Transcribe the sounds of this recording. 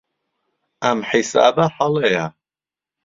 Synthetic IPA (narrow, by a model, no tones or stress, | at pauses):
amħisa̰ːbaħalɛja